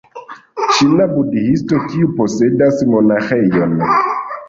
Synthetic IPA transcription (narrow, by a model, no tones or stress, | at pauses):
ʃinabudihistotʰiuposedasmonaxejon